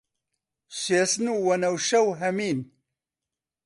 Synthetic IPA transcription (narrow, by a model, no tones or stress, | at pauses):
seːsnuːwɐnɐwʃɐwɦɐmiːn